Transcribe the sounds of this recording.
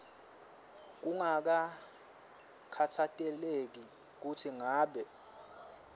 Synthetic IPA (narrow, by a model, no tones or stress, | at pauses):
k̬uŋak̬a | kʰatʰatʼɛlek̬i | k̬utʰiŋaːɓɛ